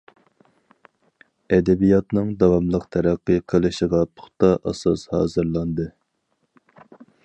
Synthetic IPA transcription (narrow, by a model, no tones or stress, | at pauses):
ɛd̪ɛbijɑt̪nɨŋd̪ɑwɑmlˠəqt̪ʰæɾæqːɨqʰəlˠɨʃəʁɑt̪ʰʊ̥χt̪ɑʔɑ̰sɑshɑ̰ːzɨɾlˠɑnd̪ɨ